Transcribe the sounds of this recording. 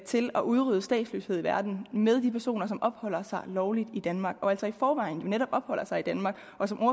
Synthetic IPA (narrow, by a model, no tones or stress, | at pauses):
t͡sʰe̝lɒʔuð̞ˠʁyð̞ˠəsd̥ɛ̰ːd̥slø̰ːsheðˠiʋæɐd̥n̩með̞ˠd̥ipʰæɐso̝̰ːnɐsɒ̽mʔɒ̽b̥hɒ̽l̰ɐsɑ̈ɪlɒʊlid̥id̥ænmɑ̈ːɡ̥ɒ̽æl̰sɒifɒːʋɑ̈ɪn̩jo̝neɾɒ̽b̥ɒ̽b̥hɒ̽l̰ɐsɑ̈ɪid̥ænmɑ̈ːɡ̥ | ʔɒ̽sɒ̽mʔo̝ɐ